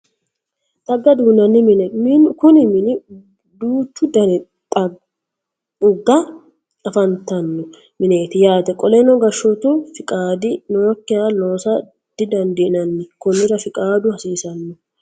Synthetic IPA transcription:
t̪ɐɡːɐd̪uːnɐnːɪmɪnɛmɪnkʊnɪmɪnɪ | d̪uːt̪ːʊd̪ɐnɛ | t̪ʼɐ | ʊɡːɐ | ɐfɐnt̪ɐnːɔ | mɪneːt̪ɪjaːt̪ɛkʼɔlɛnɔɡɐʃːɔt̪ʊfɪkʼaːd̪ɪnɔwɔkːɪjaːlo̞ːsɐ | d̪̥ɪd̪ɐnd̪ɪnɐnːɪkʊnːɪɾɐfɪkʼaːd̪ʊhɐsiːsɐnːɔ

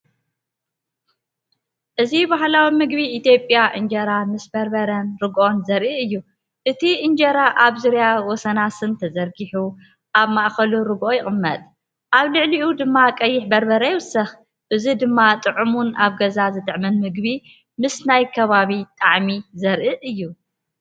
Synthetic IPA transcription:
ʔɨzibahlawimɨɡ̚biʔːt̪ʰjo̞pʼjaʔɨnd͡ʒɐɾamɨsbɐɾbɐɾɐnɾɨɡʔo̞nzɐɾʔiɨjːu | ʔɨt̪ʰiʔɨnd͡ʒɐɾaʔaβzuɾjawɔsɐnasɨnt̪ʰɐzɐɾɡiħu | ʔaβmaʔxɐluɾɨɡo̞jɪχʼɨmːɐt̪ʼ | ʔaβlɨʕliʔud̪ɨmːakʼɐjːɪħbɐɾbɐɾɐjwʊsɐx | ʔɨzid̪ɨmːat̪ʼɨʕumunaβɡɐzazɨt̪ʼɨʕmɐnmɨɡbi | mɨsnajkʰɐβaβit̪ʼaʕmizɐɾʔɨʔɨjːu

